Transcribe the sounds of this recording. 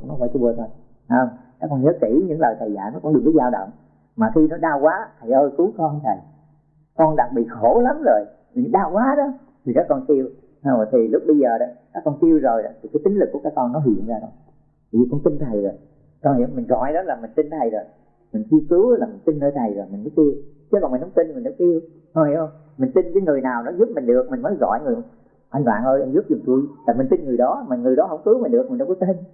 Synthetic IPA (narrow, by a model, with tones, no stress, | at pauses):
ʊ̰˧˥ŋ͡mnɔ˨˦vkɓu˨˧ət̪ʰo˧˩j | a˨˦˧ŋ͡mkaː˦˥kːɔ˧nɲəː˨˦ki˧˩ɲɨ̰˧˥ŋləː˨˩jt̪aː˨˩jza̰ː˧˩nɔ˨˦kʊ̰˧˥ŋ͡mɗi˨˩k̪ə˨˦zaː˧wɗə̰˧˨wŋ͡m | maː˨˩xi˧nɔ˨˦ɗaː˧wkwaː˨˦t̪ʰa˨˩jʔəː˧jku˨˦kɔ˧nt̪ʰə˨˩j | kɔ˧nɗaː˨˩k̚ɓḭ˧˨xo˧˩˦la˨˦mzo˨˩j | mi˨˩˨ɗaː˧wkwaː˨˦ɗɔ˨˦ | t̪ʰi˨˩zə˦˥k̚ːkɔ˧nki˧əw | ha˧˩˨t̪ʰi˨˩lʊ˦˥k͡p̚ɓə˧jzəː˨˩ɗɔ˨˦kaː˦˥kːɔ˧nti˧əwzo˨˩jɗɔ̰˨˦t̪ʰi˨˩kaː˨˦jt͡ɕï˨˦ŋ̟lɨ˨˩kːu˧˩˦aː˦˥kːɔ˧nːɔ˨˦ɦḭ˧˨ənzaː˧ɗɔ˨˦˨ | zi˨˩kʊ̰˧˥˦ŋ͡mt̪i˧nt̪ʰə˨˩jzo˨˩j | kɔ˧˩hḭ˧˨əwŋ͡mmï˨˩ŋ̟zɔ̰˧˨˦jɗɔ˨˦laː˨˩mï˨˩ŋ̟t̪i˧nt̪ʰa˨˩jzo˨˩j | mï˨˩ŋ̟t͡ɕi˧wkɨ˨˦wlaː˨˩mi˨˩ŋ̟t̪i˧nnəː˧jt̪ʰa˨˩jzo˨˩jmi̟˨˩mə˨˦k̪i˧ə˧wt͡ɕə˧˦kɔ˨˩mi˨˩n˨˦w̚t̪i˧nmɨ˨˩nːɔ˨˦k̪i˧əw | hə˧˩hi˨˧˦hə˧wŋ͡m | mï˨˩ŋ̟t̪i˧nkaː˨˦jŋɨ˨˩əjnaː˨˩wnɔ˨˦zu˦˥p̚mï˨˩ŋ̟ɗɨ˨˩ək̚mï˨˩ŋmə˨˦jzɔ̰˧˨jŋɨ˨˩ə˨˩ | ʔa˧jŋ̟ʔwa̰ː˧˨nʔəː˧jʔa˧jŋzu˦˥p̚zʊ˨˩ŋ͡mt̪u˧jlaː˨˩mi̟˨˩t̪i˧nŋɨ˨˩əjɗɔ˨˦maː˨˩ŋɨ˨˩əjɗɔ˨˦ɦə̰˧˩wŋ͡mkɨ˨˦wmi˨ŋ̟ɗɨ˨˩ək̚mi˨˩nɗkːɔ˨˦t̪i˧n